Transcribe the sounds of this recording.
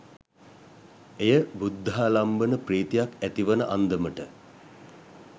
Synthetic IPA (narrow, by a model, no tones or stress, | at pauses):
ejəbud̪ːɦalambənəpriːt̪ijakæt̪iʋənəʔand̪əməʈə